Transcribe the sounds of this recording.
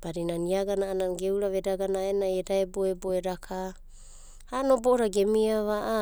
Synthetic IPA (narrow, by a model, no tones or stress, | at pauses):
b̥aɾinaniaɡanaʔːnanɡewɾaβe̞daɡanaenajedaeboeboeɾakʰa | hano̞boʔoɾaɡe̞miaβaʔa